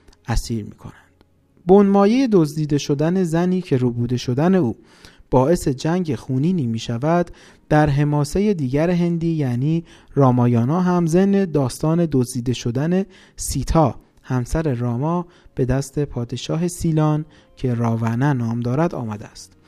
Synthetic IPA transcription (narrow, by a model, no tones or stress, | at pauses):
ʔæsiːɾmḭːkʰo̞̰nænd̪̥ | bonmɒːje̞je̞d̪ozd̪iːd̪e̞ʃo̞d̪æne̞zæniːcʰe̞ɾuːbuːd̪e̞ʃo̞d̪æne̞uː | b̥ɒːe̞se̞d͡ʒæŋɟe̞xuːniːniːmiːʃævæd̪̥ | d̪̥æɾɦe̞mɒːse̞je̞d̪iːɡæɾeɦe̞nd̪iːjæːniːɾɒːmɒːjɒːnɒːɦæmze̞mne̞d̪ɒːst̪ɒːne̞d̪ozd̪iːd̪e̞ʃo̞d̪æne | siːt̪ʰɒː | hæmsæɾe̞ɾɒːmɒːb̥e̞d̪æst̪e̞pʰɒːd̪e̞ʃɒːɦe̞siːlɒːn | cʰe̞ɾɒːvænænɒːmd̪ɒːɾæd̪ɒ̰ːmæd̪eæst̪